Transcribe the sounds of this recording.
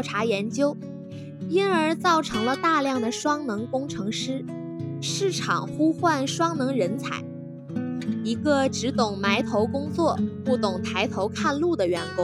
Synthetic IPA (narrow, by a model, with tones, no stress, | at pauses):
ʈ͡ʂʰa˧˥jɛ˧˥nt͡ɕjo˥ʊ | i˥nə˞˧˥t͡sɑ˥˩ʊʈ͡ʂʰɤ˧˥ŋlə˧t̪a˥˧ljɑ˥˩ŋd̪ə˩ʂwɑ˥ŋnɤ˧˥ŋkʊ˥ŋʈ͡ʂʰɤ˧˥ŋʂɻ̩˥ | ʂɻ̩˥˩ʈ͡ʂʰɑ̰˨˩ŋxu˥xwa˥˩nʂwɑ˥ŋnɤ˧˥ŋɻə˧˥nt͡sʰa̰˧˩˦ɪ | i˧˥ɡə˧ʈ͡ʂɻ̩˧˥t̪ʊ˨˩ŋma˧˥ɪt̪ʰo˧˥ʊkʊ˥ŋt͡swɔ˥˩pu˥˩t̪ʊ˨˩ŋt̪ʰa˧˥ɪt̪ʰo˧˥ʊkʰa˥˧nlu˥˩d̪ə˩ɥɛ˧˥nkʊ˥ŋ